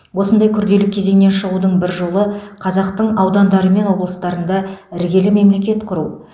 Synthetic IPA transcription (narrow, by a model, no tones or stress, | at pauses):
wo̞sənd̪ɑjkʲʰʏɾd̪e̞lɪkʲʰːe̞ze̞ŋne̞nʃəʁud̪əɴbɪɾʒo̞lˠəqʰɑzɑqt̪əɴɑwd̪ɑnd̪ɑɾəme̞nwo̞blˠəst̪ɑɾənd̪ɑɪɾɡʲe̞lɪme̞mle̞kʲe̞t̪qʰʊɾu